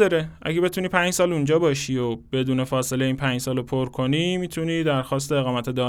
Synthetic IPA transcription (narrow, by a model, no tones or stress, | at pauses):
ɒɾeʔæ̰ɡe̞be̞t̪ʰuːniːpʰæɲd͡ʒsɒːlund͡ʒɒːbɒːʃiːob̥e̞d̪uːne̞fɒːse̞leiːnpʰænd͡ʒsɒːlopʰoɾkʰo̞nimiːt̪ʰuniːd̪æɾxɒːst̪e̞eɣɒːmæt̪ʰed̪ɒː